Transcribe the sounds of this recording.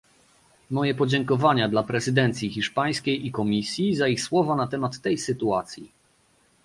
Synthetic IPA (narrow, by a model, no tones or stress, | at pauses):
mɔjɛpɔd͡ʑɛŋkɔvaɲad̪lapɾɛzɘd̪ɛnt̪sʲjixʲiʂpaj̃skʲejʔikɔmʲisʲjizaixswɔvanat̪ɛmat̪ːɛjsɘt̪uat̪sʲjḭ